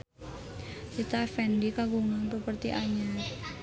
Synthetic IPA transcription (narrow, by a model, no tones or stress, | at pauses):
kit̪afɛndikaɡuŋanpəpərt̪iʔaɲa